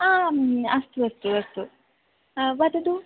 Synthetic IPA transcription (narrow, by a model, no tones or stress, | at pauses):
aːɐst̪uɐst̪uɐst̪u | bɐd̪ɐd̪u